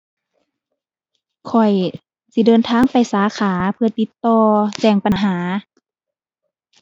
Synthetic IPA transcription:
kʰɔ˨˩j | si˧˦dɤː˧˨nt̪ʰaː˧˥˨ŋpa˨˩jsaː˨˦xʰaː˩˦pʰɯ˧ɐ˧t̪i˧˦t̪ːɔː˧t͡ɕɛː˧˩ŋpa˧˨nɦaː˩˦

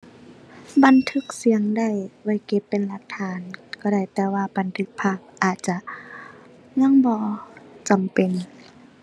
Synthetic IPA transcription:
ba˨nt̪ʰɯ˧˦k̚si˨˦əŋda˧˩˨jwa˧˩jke˧pːe˨nla˧˥k̚t̪ʰaː˨˧˦nkɔː˧˩ɾa˧˩jt̪ɛː˧waː˧ba˨nt̪ʰɯ˧˥k̚pʰaː˧˩p̚ʔaː˨˩t̪̚t͡ɕa˧ʔ | ɲa˧˥˨ŋbɔː˧˦t͡ɕa˨mpe˨n

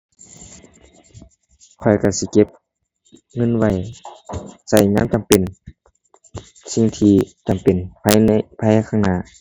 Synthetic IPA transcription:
kʰɔ˨˩jka˧˩si˧˦ke˧˥p̚ | ŋɤ˧˥˨nwa˧˩j | sa˧˩jŋaː˧˥mt͡ɕa˨mpe˨n | si˧ŋt̪ʰiː˧t͡ɕa˨˩mpe˨˩npʰa˧jn˧pʰaː˧jkʰaː˧˩ŋnaː˧˨

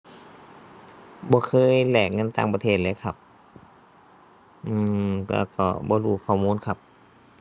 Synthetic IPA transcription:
bɔː˧˦kʰɤː˧˥˨jlɛː˨˩k̚ŋɤ˧˥˨nt̪aː˧˨ŋpa˧t̪ʰeː˧˩t̪̚leː˧˨kʰa˧˩p̚ | ʔɯː˧˩kaɛ̰ː˧˩kɔ̰ː˧˩bɔː˧˦ɾuː˧˩kʰɔː˧˩muː˧˥˨nkʰa˧˥p̚

